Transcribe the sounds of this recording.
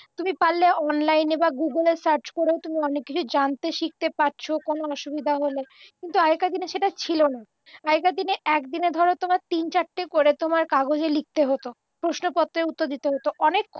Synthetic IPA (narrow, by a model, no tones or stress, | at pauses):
t̪umipalːeʔɔnlajnebaɡuɡəleɾsaɾt͡ɕkoɾeot̪umiɔnekːit͡ɕʰud͡ʑant̪eʃik̚t̪epaɾt͡ɕʰokonoɔʃubid̪ʱaɦole | kint̪uajekad̪ineʃeʈat͡ɕʰilona | aekad̪ineɛkd̪ineɾd̪ʱɔɾot̪omaɾt̪int͡ɕaʈːekoɾet̪omaɾkaɡod͡ʑelik̚t̪eɦot̪o | pɾoʃnopɔt̪ːɾeut̪ːoɾd̪it̪eɦot̪oʔɔnekː